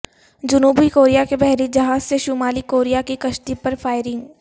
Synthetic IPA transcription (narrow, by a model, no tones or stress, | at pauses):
d͡ʒʊnuːbikoːɾijakebɛɦɾid͡ʒɐɦaːzseʃʊmaːlikoːɾijakikɐʃʈ̪ipɐɾfʰaːɪɾɪ̃ŋɡ